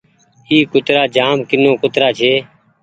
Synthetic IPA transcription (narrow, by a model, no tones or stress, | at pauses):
iːkʊt̪ɾaːd͡ʒaːmkɪnõːkʊt̪ɾaːt͡ʃʰeː